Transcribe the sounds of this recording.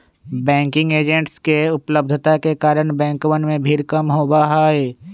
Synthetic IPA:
bɛ̃ːŋkɪ̃ŋɡeːd͡ʒə̃ɳʈskeʊpləb̚d̪ʱt̪akekaːɾəɽ̃bɛ̃ːŋkʋənmẽbʱiːɾkəmɦoːbaɦaːeː

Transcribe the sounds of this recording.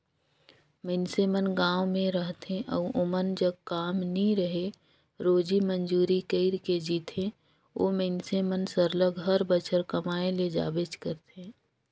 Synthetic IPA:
meɪnsemənɡãːwmẽɾəɦt̪ẽʔɔ̰ʔʊmənd͡ʒəb̚kaːmnĩɾəɦe | ɾoːd͡ʒimənd͡ʒuːɾikəɪɾked͡ʒiːt̪ʰẽ | oːmeɪnsemənsəɾləɡɦəɾbət͡ʃʰəɾkəmaːẽled͡ʒa̰ːbed͡ʒkəɾt̪ẽː

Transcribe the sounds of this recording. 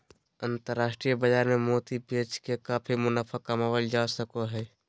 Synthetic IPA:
ənt̪əɾːaːsʈɾijəbəd͡ʒaːɾmemoːt̪ibet͡ʃkekaːpʰimʊnapʰakəmawəld͡ʒasəkoɦɛː

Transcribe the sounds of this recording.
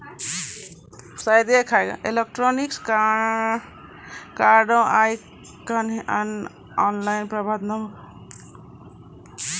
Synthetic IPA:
sajd̪ekʰajɡa̰ʔelek̚ʈɾɔniks | kaɾɖɔ̃ʔaj | kənɦiʔan | ɔnlajnpɾəbʱad̪nəm

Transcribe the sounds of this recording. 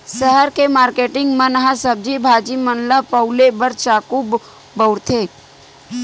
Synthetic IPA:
səɦəɾkemaːɾkeːʈɪ̃ŋɡmənəɦasəb̚d͡ʒibʱaːd͡ʒimənləpəʊlebəɾt͡ʃaːkub | bəʊɾt̪ʰe

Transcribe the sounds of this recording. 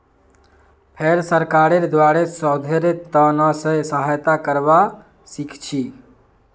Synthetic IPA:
pʰeɾsəɾkaɾeɾd̪waɾesəd̪ʱeɾt̪ənɔsə̃səɦajt̪akəɾba | sikʰt͡ʃʰi

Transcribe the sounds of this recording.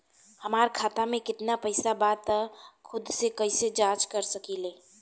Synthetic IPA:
həmaːɾkʰaːt̪amẽkɪt̪napəɪsabaːt̪kʰʊd̪sekəised͡ʒaːt͡ʃkəɾsəkileː

